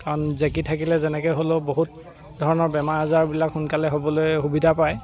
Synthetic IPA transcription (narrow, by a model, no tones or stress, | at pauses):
kaɹɔnzekitʰakilɛzɛnɛkojɦoloboɦut̚ | dʱɔɹɔnɔɹbɛmaɹazaɹbilakxunkalɛɦobɔlojhubidʱapaj